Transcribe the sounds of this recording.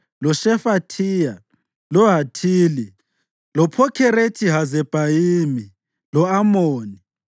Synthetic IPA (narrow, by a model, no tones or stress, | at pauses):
lɔʃɛfatʰiːja | lɔɦatʰiːli | lɔpʰɔkʰɛɾetʰiɦazɛb̥ʱajiːmi | lɔamoːni